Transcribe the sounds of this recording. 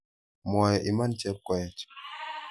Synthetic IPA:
mwɔ˨jɔ˨ʔi˨ma˦nt͡ʃɛ˦p̚kɔ˨jɛ˨t͡ʃ

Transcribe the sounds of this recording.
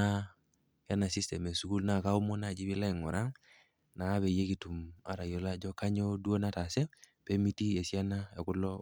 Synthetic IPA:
a˦ | ja˦na˨si˦stɛ˨me˨su˨ku˦lna˨ka˦u˦mɔ˦na˦˨d͡ʒi˦bɪ˦la˦i˨ŋɔ˨ɾa˦ŋ | na˨˦be˨je˦ki˨tu˨ma̰˨ɾa˨jɔ˨˦la˦d͡ʒɔ˦ka˦ɲɔ˦du˦o˦na˦ta˨sɛ˦pe˦mi˦ti˦e˨si˦a˦na˦e˨kʊ˦lɔ˦

